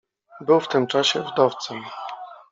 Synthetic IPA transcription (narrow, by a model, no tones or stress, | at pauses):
bɘwft̪ɘmt͡ʂaɕɛvd̪ɔft̪sɛm